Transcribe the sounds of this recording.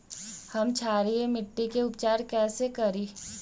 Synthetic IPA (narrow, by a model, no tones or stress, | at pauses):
hɐmt͡ʃʰaːɾiemɪʈːikeʊpt͡ʃaːɾkɛːsekɐɾiː